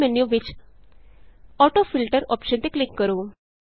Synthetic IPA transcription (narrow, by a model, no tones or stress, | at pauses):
mɛnjuʋɪt͡ʃ | ɔʈofilʈəɾɔpʃənt̪eklɪkːəɾoː